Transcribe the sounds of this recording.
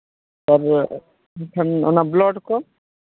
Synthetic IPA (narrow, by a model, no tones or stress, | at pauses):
taɾ | ikʰanɔ̰nablɔɖkɔm